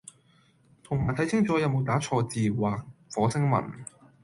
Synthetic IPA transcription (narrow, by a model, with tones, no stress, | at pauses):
t̪ʰʊ˨˩ŋmaː˨˩jt̪ʰɐ˨˥jt͡sʰɪ˥ŋt͡sɔː˨˥jɐ˨˧wmo˨˧wt̪aː˨˥t͡ʃʰɔː˧t͡siː˨waː˨˩k̚fɔː˨˥sʰɪ˥ŋmɐ̰˨˩n